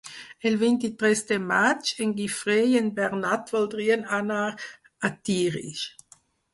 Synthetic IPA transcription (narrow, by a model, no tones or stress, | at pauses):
ɛlvint̪it̪ʁɛst̪əmat͡ʃɛŋɡifʁejənbɛʁnat̪vɔld̪ʁiːənanaʁ | at̪iːʁḭʃ